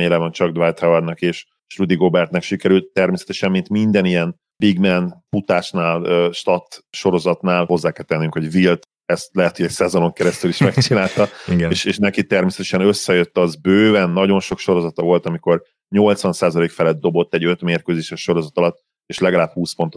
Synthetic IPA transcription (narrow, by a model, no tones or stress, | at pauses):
eːlɛvɒnt͡ʃɒɡ̚d̪vajt̪hɛvɛrnɒkeːʃ | rud̪iɡobɛrt̪nɛkʃikɛɾylt̪ːɛrmeːsɛt̪ɛʃɛmːint̪mind̪ɛnijɛn | b̥iɡmɛnfut̪aːʃnaːløʃt̪ɒt̪ːʃo̞ɾo̞zɒt̪naːlho̞zːaːkɛlt̪ɛnːyŋkho̞ɟvilt̪ | ɛst̪lɛɦɛt̪hoɟɛcsɛzo̞no̞ŋkɛɾɛst̪yliʃmɛkt͡ʃinaːlt̪ɒɡeːʃeːʃnɛkit̪ɛrmeːsɛt̪ɛ̥ʃɛnøsːɛjøt̪ːɒzbøːvɛnːɒɟo̞nʃo̞kʃo̞ɾo̞zɒt̪ɒvo̞lt̪ɒmiko̞r | ɲo̞lt̪sʋɒnsaːzɒleːkfɛlɛd̪d̪ːo̞bo̞t̪ːɛɟø̞t̪meːrkøzeːʃɛʃʃo̞ɾo̞zɒt̪ɒlɒt̪ː | eːʃlɛɡɒlaːbhuːspo̞nt̪o